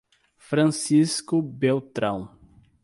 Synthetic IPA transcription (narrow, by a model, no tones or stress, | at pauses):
fɾɐ̃siskʊbewt̪ɾɐ̃w̃